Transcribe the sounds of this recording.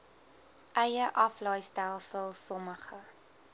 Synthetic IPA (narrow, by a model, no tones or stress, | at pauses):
ʔɛjəʔɐflɐjstælˠsəlˠsɔməχə